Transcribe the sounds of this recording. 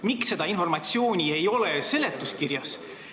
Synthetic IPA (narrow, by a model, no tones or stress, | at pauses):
miksːe̞d̪̥ɑinfo̞rmɑt̪sio̞ːnʲie̞jo̞lese̞let̪ːˑuskiɾjɑs